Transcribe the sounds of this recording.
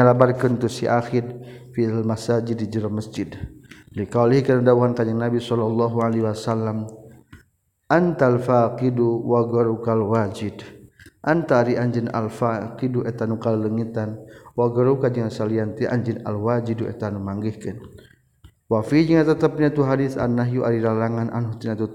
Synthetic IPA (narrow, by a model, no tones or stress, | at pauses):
alabarkənt̪usiʔaxɪdfialmasad͡ʒɪdid͡ʒəɾɔməsd͡ʒɪdlikalihkanədauɦankad͡ʒaŋnabisɔlalːaɦualeɦwasalːam | ʔant̪alfaqiduwaɡɔɾukalwad͡ʒɪdʔant̪aɾiaɲd͡ʒina̰lfakiduʔɛt̪anukalləŋit̪anwaɡɔɾukad͡ʒəŋansaliant̪iʔa̰ɲd͡ʒina̰lwad͡ʒiduɛ̰t̪anumaŋɡihkən | wafid͡ʒəŋat̪ət̪əp̚ɲat̪uɦadiθa̰nːaɦjuʔaɾiɾalaŋanʔa̰nɦut̪inat̪u